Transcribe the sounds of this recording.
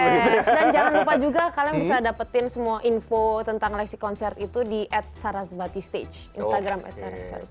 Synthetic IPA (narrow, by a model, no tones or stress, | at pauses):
ɛsdand͡ʒaŋanlupad͡ʒuɡakalajabisadapət̪ɪnsəmuaʔinfot̪ənt̪aŋlɛksikɔnsɛrt̪it̪udiʔɛt̪̚saɾasbat̪ist̪ḛd͡ʒḭnst̪aɡɾamɛ̰t̪saɾa̰sba̰ɾs